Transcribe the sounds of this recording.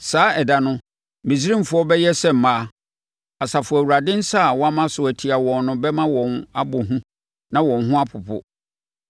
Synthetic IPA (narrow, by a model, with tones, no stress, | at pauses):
saː˨˦ɛ˨da˨nʊ̃˦ | mĩ˨s̬i˦ɾĩ˦m˨fʊ˦ɔ˦bɛ˦jɛ˦sɛ˦m̩˨mã˦˨ | a˨sa˨fʊ˨æ˨wu˨ɾa˨dɪ̃˦n̩˦sa˦˨wɔ̃˦a˦mã˦sʊ˨æ˨tʰi˨a˨wɔ̃˨nːʊ̃˦bɛ˦mã˦wɔ̃˨na˦bʊ˨ɦũ˦ | nã˨wɔ̃˨nɦʊ̃˦a˦pʰʊ˨pʰʊ̰˨